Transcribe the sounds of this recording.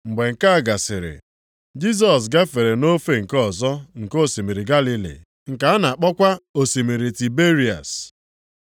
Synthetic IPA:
ŋ͡m̩˨ɡ͡be˨ŋ̩˨ka˦a˨ɡa˨sɪ˨ɾɪ̰˨ | d͡ʒi˦s̬ɔ˨s̬ɡa˦fe˨ɾe˨no˦fe˦ŋ̩˨kɔ˦˨zɔ˦ŋ̩˨ko˦˨si˨mi˨ɾi˨ɡa˦li˦lḭ˨ | ŋ̩˨ka˨a˦na˨a˨k͡pɔ˦kʷa˦o˨si˨mi˨ɾi˨ti˨be˦ɾi˨a̰˨s

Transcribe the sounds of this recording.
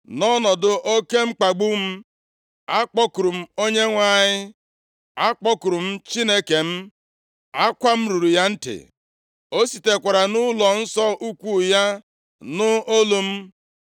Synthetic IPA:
nɔ˦nɔ˨dʊ˨ʔo˦ke˦m̩˦k͡pa˨ɡ͡bu˦m̩˦ | a˦k͡pɔ˦kʊ˨ɾu˨m̩˦o˦ɲe˦ŋʷa˨ɲɪ˦ | a˦k͡pɔ˦kʊ˨ɾu˨m̩˦t͡ʃi˦ne˦ke˨m̩˦ | a˦kʷa˦m̩˦ɾu˨ɾu˨ja˦n̩˦tɪ̰˨ | o˦si˨te˨kʷa˨ɾa˨nʊ˦lɔ˨n̩˦sɔ˦ʔu˦kʷu˦ja˦ | nʊ˦o˦lu˦m̩˦

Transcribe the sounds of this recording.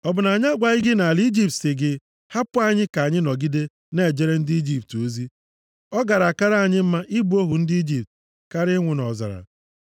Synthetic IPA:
ɔ˨bʊ˨na˨ɲa˦ɡʷa˨ɲɪ˦ɡɪ˦na˨li˦d͡ʒi˦˨p̚tsɪ˨ɡɪ˦ | ha˦pʊ˦a˦ɲɪ˦ka˨a˨ɲɪ˦nɔ˨ɡi˦de˦ | ne˦˨d͡ʒe˦ɾe˦n̩˦dɪ˦i˦d͡ʒi˨p̚to˦zi˦ | ɔ˦ɡa˨ɾa˨ka˦ɾa˦a˨ɲɪ˦m̩˦ma˦ʔi˦bu˦o˦ɦu˨n̩˦dɪ˦i˦d͡ʒi˨p̚t | ka˦ɾɪ˦ŋʷʊ˨nɔ˨za̰˨ɾa̰˨

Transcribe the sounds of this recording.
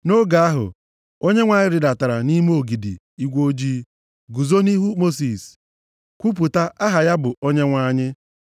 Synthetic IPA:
no˦ɡa˨a˦ɦʊ̰˨ | o˦ɲe˦ŋʷa˨ɲɪ˦ɾɪ˨da˨ta˨ɾa˨ni˦me˦o˨ɡi˨dḭ˨ | i˦ɡʷo˦d͡ʒi˦ | ɡu˨zo˦ni˦ɦu˦mo˦s̬i˨s | kʷu˦p̬u˨ta˦ʔa˦ɦa˨ja˦bʊ˨ʔo˦ɲe˦ŋʷa˦ɲɪ˦

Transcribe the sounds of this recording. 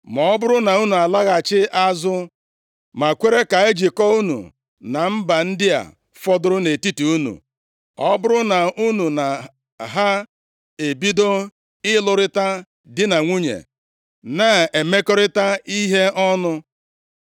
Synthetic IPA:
mɔ˨ɔ˦bʊ˦ɾʊ˦na˨u˦nu˨a˨la˦ɣa˨t͡ʃɪ˦ʔa˦zʊ˦ | ma˨kʷe˦ɾe˦ka˨e˦d͡ʒi˨kɔ˦u˦nṵ˨ | na˨m̩˦ba˨n̩˦dɪ˦a̰˨ | fɔ˦dʊ˦ɾʊ˦ne˨ti˦tu˨u˦nṵ˨ | ɔ˦bʊ˦ɾʊ˦na˨u˦nu˨na˨ | ɦa˦ | e˨bi˦do˦ | ɪ˦lʊ˨ɾɪ˦ta˦ | dɪ˦na˨ŋʷu˦ɲḛ˨ | na˦˨e˨me˦kɔ˦ɾɪ˦ta˦i˦ɦe˦ɔ˦nʊ˦

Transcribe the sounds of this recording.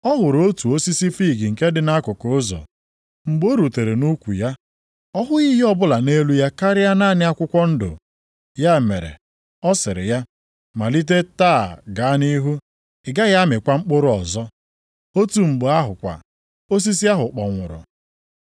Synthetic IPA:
ɔ˦ɦʊ˨ɾo˦tu˨o˦si˦si˦fi˦˨ɡɪ˨ŋ̩˨ke˦dɪ˦na˦kʊ˨ko˨˦zɔ̰˨ | ŋ͡m̩˨ɡ͡bo˦ɾu˨te˨ɾe˨nu˦kʷu˨ja˦ | ɔ˦ɦʊ˦i˦ɦi˦ɔ˦bʊ˦la˨ne˦lu˦ja˦ka˦ɾɪ˦a˦na˦˨nɪ˦a˦kʷʊ˦kʷɔ˦n̩˦dʊ̰˨ | ja˦e˨mḛ˨ɾḛ˨ | ɔ˦sɪ˨ɾɪ̰˨ja˦ | ma˨li˦t̬e˦taː˦˨ɡa˨a˦ni˦ɦu˦ | ɪ˨ɡa˦ɣa˦mɪ˨kʷa˦ŋ͡m̩˦k͡pʊ˦ɾʊ˦ɔ˨zɔ˦ | o˦tu˨ŋ͡m̩˨ɡ͡bʊ˨a˦ɦʊ˨kʷa̰˨ | o˦s̬i˦s̬i˦a˦ɦʊ˨k͡pɔ˨ŋʷʊ̰˨ɾʊ̰˨

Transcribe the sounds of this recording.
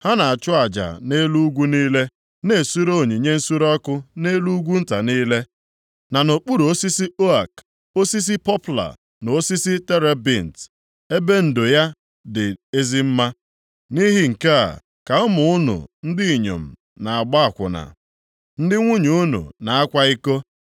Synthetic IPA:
ha˦na˨a˨t͡ʃʊ˦a˨d͡ʒa̰˨ne˦lu˦ɡʷu˦niː˦le˦ | ne˨su˦ɾo˦˨ɲi˨ɲe˦n̩˦su˦ɾɔ˦kʊ˦ne˦lu˦ɡʷu˦n̩˦ta˨niː˦le˦ | na˨no˨k͡pu˦ɾu˨o˦si˦si˦o˦a˨k | o˦si˦s̬i˦pɔ˦pla̰˨ | no˨o˦si˦si˦te˦ɾe˦bi˦˨n̩˨t | e˦be˦n̩˨do˨ja˦ | dɪ˨e˦zi˦m̩˦ma˦ | ni˦ɦɪ˦ŋ̩˨ka˦a̰˨ | ka˨ʊ˦mʊ˨˦ʊ˦nṵ˨n̩˦dɪ˦i˨ɲo̰˨m̩˨ | na˨a˨ɡ͡ba˦a˨kʷʊ̰˨na̰˨ | n̩˦dɪ˦ŋʷu˦ɲu˨ʊ˦nṵ˨na˨a˦kʷa˦i˦ko˦

